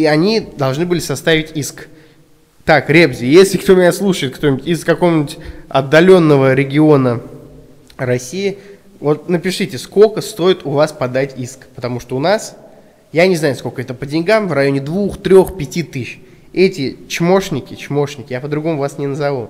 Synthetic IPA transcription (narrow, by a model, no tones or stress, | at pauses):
iɐnʲid̪ɐlˠʐnɨbɨlʲɪsɐst̪avʲɪtʲisk | t̪akɾʲebzʲɪjesʲlʲɪkt̪o̞mʲɪnʲaslˠuʂəjɪt̪̚kt̪onʲtʲɪskɐkovmnʲɪtʲɐ̰d̪ːɐlʲo̞nːəvəɾʲɪɡʲɪo̞nə | ɾɐsʲijɪ | vo̞t̪̚nəpʲɪʂɨtʲɪsko̞lʲkəst̪o̞ɪt̪ʊvaspɐd̪atʲiskpət̪ɐmuʂt̪oʊnas | janʲɪznajʊsko̞lʲkəɛt̪əpədʲɪnʲɡamvrɐjo̞nʲɪd̪vuxt̪ɾʲo̞xpʲɪtʲit̪ɨɕ | ɛtʲɪt͡ɕmo̞ʂnʲɪkʲɪt͡ɕmo̞ʂnʲɪkʲɪjapəd̪ɾʊɡo̞mʊvasnʲɪnəzɐvulˠ